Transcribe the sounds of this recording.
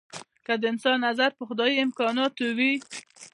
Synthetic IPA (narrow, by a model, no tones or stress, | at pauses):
kad̪əɪnsɑnːazaɾpəxʊd̪ɑjiɪmkɑnɑt̪owi